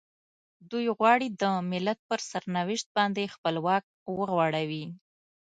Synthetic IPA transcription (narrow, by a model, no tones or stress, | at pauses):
d̪ujɣwɑɽid̪əmɪlat̪̚pəɾsaɾnawɪʃt̪̚bɑnd̪expəlwɑk̚wəɣwɑɽawi